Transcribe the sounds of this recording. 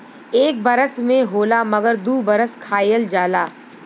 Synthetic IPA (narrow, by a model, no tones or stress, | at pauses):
eːk̚bɐɾəsmẽɦoːlamɐɡəɾd̪uːbɐɾəskʰaːjəld͡ʒaːlaː